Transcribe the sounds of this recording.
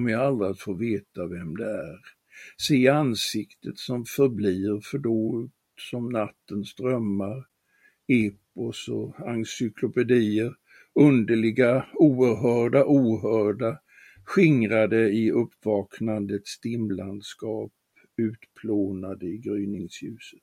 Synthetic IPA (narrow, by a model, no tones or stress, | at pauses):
məjaalɾat̪foːɾveːt̪avɛmd̪ɛæɾ | seːansɪkt̪ʰət̪sɔmfœɾbliːɾfœɖoːt̪ | sɔmnat̪ːənsd̪̥ɾœmːaɾ | eːpɔsɔansʏkʰlʊpɛd̪iːəɾ | ɵnd̪əɭɪɡauːəɾɦœːɖaʔuːɦœːɖa | ɧɪŋɾad̪əɪɵpːvɑːknand̪ət̪st̪ɪmland̪skɑːp̚ | ʉ̟ːt̪pʰloːnad̪əɪɡɾyːnɪŋsjʉ̟ːsə̥t̪